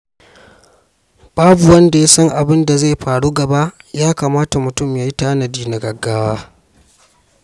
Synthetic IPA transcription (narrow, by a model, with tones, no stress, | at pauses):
b̥aː˦bu˨wɐ˦nda˨ja˦sɐ˦ŋʔa˨bɪ˦nda˨za˦˨ɸaː˨ɽu˦ɡɐ˨ba˦jaː˦kaː˨maː˦ta˨mʊ˨tʊ˦˨mjaː˦ji˦taː˦nɐ˨diː˦na˨ɡɐ˨ɡːaː˦waː˦